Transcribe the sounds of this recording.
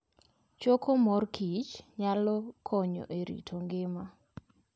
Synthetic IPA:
t͡ʃokʰomɔrkʰit͡ʃɲalɔkʰɔɲɔ̰ʔeɾḭtʰoŋɡɪma

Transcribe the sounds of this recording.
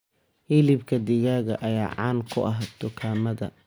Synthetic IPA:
hɪlɪbkʰɐd̪ɪɣaːɣɐʔɐjaːʕɑːnkʰʊʔɐɦɐt̪ʊkʰaːmɐðɐ̰

